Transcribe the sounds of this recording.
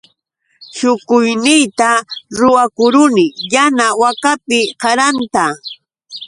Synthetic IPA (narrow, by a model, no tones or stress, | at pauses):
ʃʊkʊjnɪjt̪aɾʊwakʊɾʊnɪjanawakapɪkɑɾant̪a